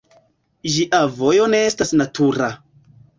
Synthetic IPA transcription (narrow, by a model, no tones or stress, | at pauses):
ʒiʔavo̞joneestasnatuɾa